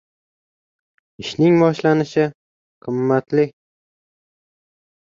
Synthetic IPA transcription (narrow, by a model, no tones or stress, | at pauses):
ɪʃnɪŋbɒʃlanɪʃɪ | qʰɨmːat̪lɪ